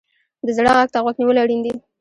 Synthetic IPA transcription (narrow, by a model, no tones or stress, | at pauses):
d̪əzɽaɣaɡ̚t̪aɣwaɡniwəlaaɽind̪i